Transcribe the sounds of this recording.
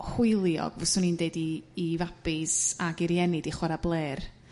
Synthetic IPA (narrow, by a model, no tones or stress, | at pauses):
hwɪjlˠjɔ̰ɡvɔsʊnindeɨdiːvab̥ɪsaɡɪɾjɛnɪdiχwɛɾablˠeːr